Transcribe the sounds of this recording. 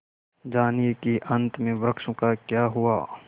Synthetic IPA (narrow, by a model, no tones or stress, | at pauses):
d͡ʒaːniekiʔɐ̃nt̪mẽbɾəkʃõkakjaːɦuaː